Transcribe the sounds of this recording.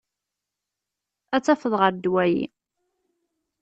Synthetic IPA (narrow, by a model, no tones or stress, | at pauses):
æt͡sːæfəðˤʁəɾd̪wæjḭ